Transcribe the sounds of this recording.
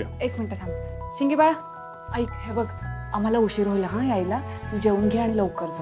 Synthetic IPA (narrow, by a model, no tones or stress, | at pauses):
ekmiɳʈəsãŋɡsiŋɡibaɭa | əjkɦebəɡam̤alauɕiɾɦojlaɦãjajlat̪ud͡ʑeunɡʱiaɽ̃iləwkəɾd͡zʱo